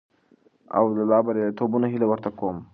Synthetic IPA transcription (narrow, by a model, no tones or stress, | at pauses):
a̰wd̪alɑbaɾet̪obunaɦilawəɾt̪akom